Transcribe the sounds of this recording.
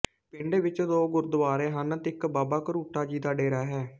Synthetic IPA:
pɪɳɖeːʋɪt͡ʃd̪oːɡʊɾd̪əʋaːɾeːɦənt̪ɪkbaːbaːkɾuːʈaːd͡ʒiːd̪aːɖeːɾaːɦɛː

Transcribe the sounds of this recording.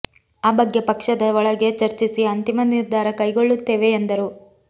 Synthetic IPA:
aːbɐɡːepɐkʂɐd̪ɐɔɭɐɡe̞t͡ʃɐɾt͡ʃisiɐnt̪imɐniɾd̪ʱaːɾɐkɐjɡo̞ɭːut̪ːeːʋe̞ːnd̪ɐɾu

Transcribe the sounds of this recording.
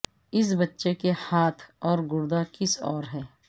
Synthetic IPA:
ɪs̬bɐtːʃekehaːt̪ʰɔːɾɡʊɾd̪akɪsɔ̰ːɾɦɛː

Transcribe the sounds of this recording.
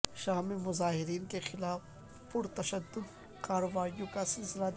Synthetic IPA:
ʃaːɦmemʊzaːɦɪɾiːnkexɪlaːf | pʊɾt̪ɐʃəd̪ːʊd̪ | kaːɾɐwaːijõkasɪlsɪla

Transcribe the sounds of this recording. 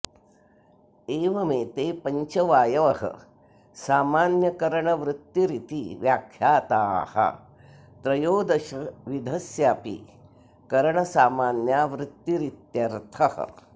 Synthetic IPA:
eːʋɐmeːt̪eːpɐɲt͡ʃɐʋaːjɐʋɐɦɐ̰ | saːmaːnjɐkɐɾɐɳɐʋɾut̪jiɾit̪iʋjaːkʰjaːt̪aːhɐ̰ | t̪ɾɐjoːd̪ɐʃɐʋid̪ʱɐsjaːpḭ | kɐɾɐɳɐsaːmaːnjaːʋɾɪt̪ːjiɾit̪jɐɾt̪ʰɐhɐ̰̆

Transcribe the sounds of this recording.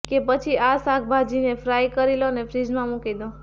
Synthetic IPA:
kepət͡ʃʰiʔasak̚bʱad͡ʒinefɾajkəɾilonefʰɾid͡ʒmãmũkid̪õ

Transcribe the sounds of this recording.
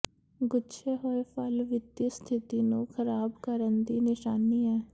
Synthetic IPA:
ɡʊt͡ʃʰeːɦoːepʰəlʋɪt̪ist̪ʰɪt̪iːnũːkʰəɾaːbkəɾənd̪iːnɪʃaːniːɛː

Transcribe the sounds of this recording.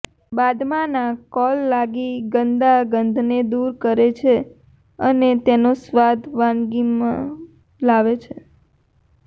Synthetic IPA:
bad̪mãnãkɔlːaɡiɡənd̪aɡənd̪ʱned̪uɾkəɾet͡ʃʰe | ənet̪enosʋad̪ʱʋãnɡimã̰ | laʋet͡ʃʰe

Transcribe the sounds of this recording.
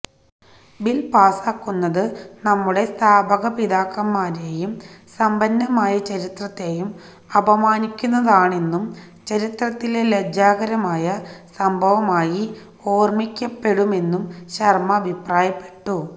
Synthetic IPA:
bilpaːsaːkːunːɐðɨnɐmːuɽe̞st̪ʰaːbʱɐɣɐpid̪aːkːɐmːaːɾe̞ːjumsɐmbɐnːɐmaːjɐt͡ɕɐɾit̪rɐt̪ːe̞ːjum | ɐbɐmaːnikʲːunːɐðaːɳenːum | t͡ɕɐɾit̪rɐt̪ːileled͡ʑaːɣɐɾɐmaːjɐsɐmbʱɐʋɐmaːji | o̞ːrmikʲːɐpːe̞ɽume̞nːumɕɐrmɐːbʱipraːjɐpːe̞̥ʈːu

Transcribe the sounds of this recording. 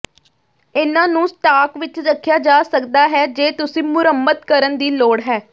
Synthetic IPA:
ɪnãːnũːsʈaːkʋɪt͡ʃɾəkʰːjaːd͡ʒaːsəkd̪aːɦɛːd͡ʒeːt̪ʊsĩːmʊɾəmːət̪kəɾənd̪iːloːɽɦɛː

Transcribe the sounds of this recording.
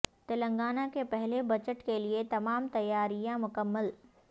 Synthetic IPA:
t̪ɪlə̃ŋɡaːnakepɛɦlebɐt͡ʃəʈkeliet̪ɐmaːmt̪ɐjːaːɾijãmʊkəmːəl

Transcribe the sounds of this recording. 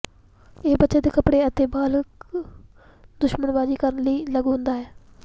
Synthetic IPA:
eːbətːʃeːd̪eːkəpɽeːət̪eːbaːlək | d̪ʊʃmənʋaːd͡ʒiːkəɾənləiːləɡɦʊ̃nd̪aːɦɛː

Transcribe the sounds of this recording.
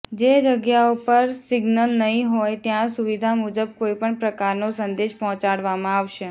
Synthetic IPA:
d͡ʒed͡ʒəɡjaupəɾsɪɡnəlnəɦĩɦojt̪jãsuʋid̪ʱamud͡ʒəb̚koipəɳpɾəkaɾnosənd̪eʃpɔɦɔ̃t͡ʃaɽʋamãaʋʃe

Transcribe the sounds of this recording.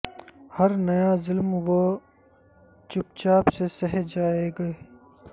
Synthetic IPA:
hɐɾnɐjazɪlmwo | t͡ʃʊp̚t͡ʃaːbsesɐɦd͡ʒaːeɡɐeː

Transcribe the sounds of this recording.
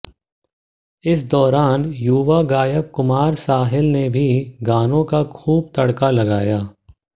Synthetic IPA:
ɪs̬d̪ɔːɾaːnjuːʋaɡaːjəp̚kʊmaːɾsaːɦɪlnebʱiɡaːnõkaxʰuːb̚t̪ɐɽkalɐɡaːjaː

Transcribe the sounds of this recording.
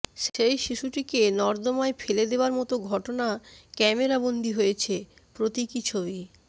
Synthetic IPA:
ʃejʃiʃuʈikenɔɾd̪omaefʰeled̪eoaɾmɔt̪oɡʱɔʈonakɛmeɾabond̪ʱiɦojet͡ɕʰe | pɾot̪ikit͡ɕʰobi

